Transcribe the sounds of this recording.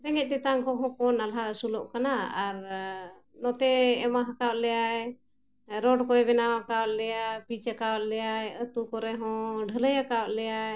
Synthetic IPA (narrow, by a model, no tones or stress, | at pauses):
ɾɛŋɡɛt̪ɛt̪aŋkɔɦɔ̃kɔnalasulɔʔkanaaɾ | nɔt̪ɛːmaɦakawat̪̚lɛjaɛ | ɾɔɖkɔjbɛnaakawat̪̚lɛjapit͡ʃakawat̪̚lɛjajət̪ukɔɾɛɦɔ̃ɖʱələjhakawat̪̚lɛjaj